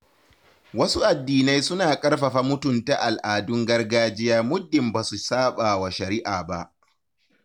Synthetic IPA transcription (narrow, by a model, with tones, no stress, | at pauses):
wɐ˦su˦ʔa˨dːiː˨na˦jsʊ˦naː˨kʼɐ˦rɸɐ˨ɸa˦mʊ˦tʊ˨nta˨ʔa˨lʔaː˨dʊ˦ŋɡɐ˦rɡaː˦d͡ʒɪ˦jaː˦mʊ˦dːɪ˨mbaː˨su˨saː˦ɓa˨wa˨ʃɐ˨ɾɪ˦ʔaː˨ba̰˦ʔ